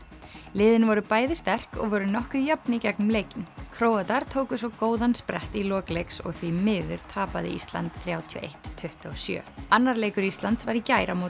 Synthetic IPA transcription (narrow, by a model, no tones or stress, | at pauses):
lɪːðɪnvɔɾʏpaːjðɪst̪ɛr̥kɔ̰ɣvœɾʏnɔhkʏjapnɪicɛknʏmleːjcɪnkʰɾoːwat̪aɾ̥t̪ʰoːwkʏsvɔkoːwðanspɾɛht̪ilɔːklejksɔ̰ɣθvimɪːðʏɾ̥t̪ʰaːpaðɪḭst̪la̰nt̪θɾjaːwt̪ʰiɔo̰ʔḛjht̪ʰːʏht̪ɔsjœ̰ːanːaɾleːjkʏɾist̪lant̪svaɾicaːjɾamoː